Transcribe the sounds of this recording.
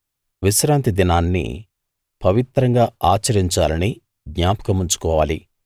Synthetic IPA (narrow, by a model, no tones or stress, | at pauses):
ʋiʃɾaːnt̪id̪inaːnːḭ | pɐʋit̪ɾɐŋɡaːaːt͡ʃɐɾiɲt͡ʃaːlɐni | ɡɲaːpɐ̥kɐmuɲt͡ʃu̥kɔːʋaːli